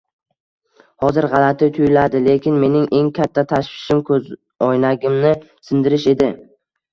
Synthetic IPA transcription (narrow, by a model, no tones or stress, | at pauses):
hɒzɪɾʁɑlat̪ʰɪt̪ʰʊjɪlad̪ɪle̞kʲɪnme̞nɪŋʔe̞ŋkʲʰat̪ʰːat̪ʰaʃfɪ̥ʃɪmkʰɵz | ɒjnaɡʲɪmnɪ | sɪnd̪ɪɾɪʃe̞d̪ɪ